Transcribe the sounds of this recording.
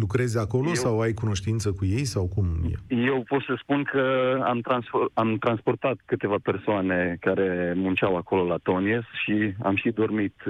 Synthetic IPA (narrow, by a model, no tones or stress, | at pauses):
lukɾe̞zʲako̞lo̞sawajkuno̞ʃt̪int̪səkuje̞jsawkumjḛje̞wpo̞t̪səspunkʰəa̰mt̪ɾansamt̪ɾanspo̞rt̪at̪kɨt̪e̞vape̞rsoane̞kaɾe̞munt͡ʃawako̞lo̞lat̪o̞niesʃia̰mʃid̪o̞rmit̪